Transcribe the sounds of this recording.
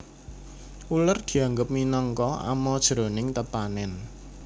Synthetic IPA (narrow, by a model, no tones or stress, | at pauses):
ulərd̪̥i̤aŋɡəp̚minɔŋkɔa̰mɔd̥ʒ̥ɾo̤nɪŋt̪əpanɛn